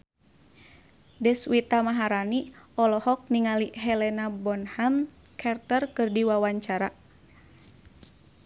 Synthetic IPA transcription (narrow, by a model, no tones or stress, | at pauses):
dɛswit̪amaɦaɾaniɔlɔhɔk̚niŋaliɦɛlɛnabɔnham | kʰart̪ərkɨrdiwawaɲt͡ʃaɾa